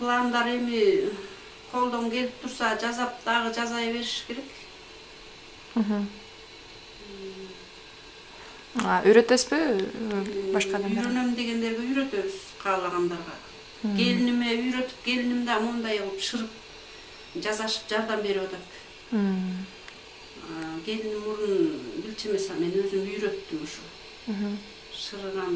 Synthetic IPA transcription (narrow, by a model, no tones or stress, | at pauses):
pʰlˠɑʁɑnd̪ɑɾe̞mi | qʰo̞lˠd̪o̞ŋɡe̞lip̚t̪ʰuɾsɑd͡ʒɑzɑp̚d̪̥ɑʁɯd͡ʒɑzɑjβe̞ɾiʃke̞ɾe̞k | ɦ̩ | ɑʔyjɾøt̪espi | bɑʃqɑyjɾø̞nø̞md̪e̞ɡe̞nd̪e̞ɾɡeyjɾø̞t̪ø̞βyz̥qʰɑːlˠɑʁɑnd̪ɑɾʁɑ̰ | ɡ̥e̞linimeyjɾø̞t̪y̥p̚ɡʲe̞linimd̪ɑmund̪ɑjolˠpʃɯɾɯp̚ | d͡ʒɑzɑʃɯ̥p̚d͡ʒɑɾd̪ɑmbe̞ɾewɑt̪ʰɑt̪̩ː | ɡe̞linimːuɾunbilt͡ʃeme̞sɑme̞nø̞zymyjɾø̞t̪ːymuʃu | ɦ̩ | ʃɯɾɯʁɑn